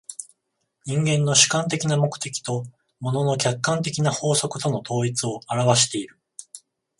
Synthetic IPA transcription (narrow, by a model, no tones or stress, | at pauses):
ɲĩŋɡẽ̞nːo̞ɕɨ̥kãnt̪e̞kʲinamo̞kɯ̟̥t̪e̞kʲi̥t̪o̞ | mo̞no̞no̞kʲakːãnt̪̬e̞kʲinaho̞ːso̞kɯ̟t̪o̞no̞t̪o̞ːit͡sɨo̞aɾaβaɕi̥t̪e̞iɾɯ̟